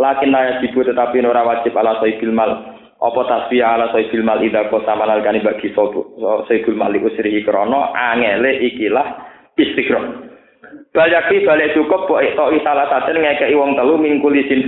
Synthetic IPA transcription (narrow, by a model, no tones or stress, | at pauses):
lakɪnlajad͡ʒ̥i̤bʊt̪ət̪apinoɾawḁd͡ʒ̥ɪ̤palasɔifilmal | ʔɔ̰pɔt̪aswiaːlasɔifilmalidakɔsamanalkanibaɡ̥isɔsɔib̥ṳlmaliʔusɾiɦikəɾɔnɔaŋɛleʔikilah | ist̪iɡ̥ɾɔm | b̥a̤ljak̚wib̥a̤laʔt͡ʃukʊpbɔʔiʔt̪ɔʔisalahsad̪ɛnŋɛkɛʔiwɔŋt̪əlumiŋkulisɪn